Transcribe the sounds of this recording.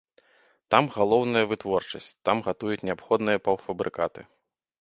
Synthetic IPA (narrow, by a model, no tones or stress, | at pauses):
t̪amɣalˠɔwnɐjɐvɨt̪vɔrt͡ʂɐsʲt͡sʲt̪amɣat̪ujut͡sʲnʲɛapxɔd̪nɨjɐpɐwfɐbɾʔɨkat̪ɨ